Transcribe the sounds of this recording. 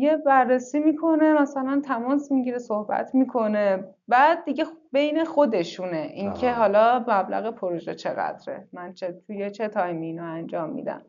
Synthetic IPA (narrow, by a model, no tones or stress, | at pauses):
jebærːesiːmiːkʰo̞ne̞mæsælænt̪ʰæmɒːsmiɟiɾesohbæ̰t̪ʰmiːkʰo̞ne̞ | bæːd̪̚ːiɟe̞be̞jne̞xo̞d̪e̞ʃune̞ʔincʰe̞ɦɒːlɒːmæblæ̰ɣepʰoɾoʒet͡ʃʰe̞ɣæ̰d̪ɾḛmænt͡ʃʰet̪ʰujet͡ʃʰet̪ʰɒjmiːnoænd͡ʒɒːmːḭd̪æ̰m